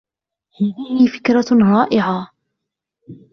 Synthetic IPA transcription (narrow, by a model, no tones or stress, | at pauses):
haðihifɪ̥kɾˤaɣaːʔɪʕa